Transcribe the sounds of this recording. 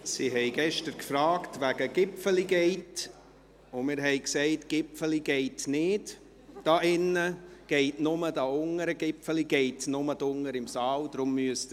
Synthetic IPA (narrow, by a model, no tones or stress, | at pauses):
siɦɛɪɡɛʃtəɾkfɾɑːktʋæɡəɡ̥ɪpfəliɡɛɪt | ʊmɪːɾɦɛɪksɛɪtɡ̥ɪpfəliɡ̥ɛɪtnɪd̥ | d̥ɑʔɪnːəɡ̥ɛɪtnʊmədɑʊŋəɾəɡ̥ɪpfəliɡ̥ɛɪtnʊmədʊŋːəɾɪmsɑːld̥ɾʊmːyəst